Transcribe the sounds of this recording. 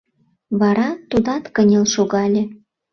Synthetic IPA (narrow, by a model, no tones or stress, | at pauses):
βɑɾɑt̪ud̪ɑt̪kənʲelʃoɣɑlʲe